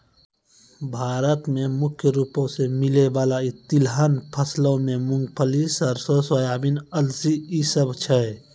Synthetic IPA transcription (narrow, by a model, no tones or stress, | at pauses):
bʱaːɾət̪mẽmʊkʰjəɾuːpõsemɪleʋaːlait̪ɪlɦənpʰəslõmẽmʊ̃ŋɡpʰəlisɔɾsosəjaːbinəlsiːsəbt͡ʃʰɛ